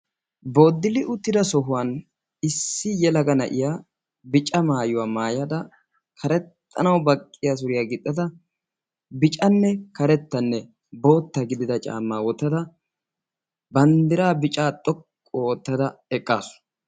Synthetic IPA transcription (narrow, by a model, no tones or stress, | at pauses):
bo̞ːd̪ːɪlɪʔʊt̪ːɪd̪ɐsɔɦʊwɐn | ɪsːɪjɛlɐɡɐnɐʔɪjaː | bɪt͡ʃʼɐmaːjʊwaːmaːjɐd̪ɐ | kʰɐɾɛt̪ʰːɐ̰nɐwbɐkʼːɪjas̬ʊɾɪjaɡɪt̪ʼːɐd̪ɐ | bɪt͡ʃʼɐnːɛkɐɾɛt̪ːɐnːɛ | bo̞ːt̪ːɐɡɪd̪ɪd̪ɐt͡ʃʼa̰ːmːaːwɔt̪ːɐd̪ɐ | bɐnd̪ɪɾaːbɪt͡ʃʼaːt̪ʼɔkʼːoɔt̪ːɐd̪ɐɛkʼːaːsʊ̥